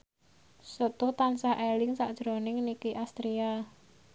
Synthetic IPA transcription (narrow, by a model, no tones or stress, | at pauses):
sət̪ʊht̪ansahʔelɪŋsaʔd̥ʒ̥ɾonɪŋnikiʔast̪ɾia